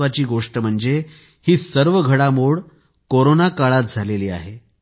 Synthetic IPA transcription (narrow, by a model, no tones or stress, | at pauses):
ʋat͡ɕiːɡoʂʈəm̤əɳd͡ze | hiːsəɾʋəɡʱəɽamoɽ | koɾonakaɭat̪̚d͡zʱaleliːa̰ɦe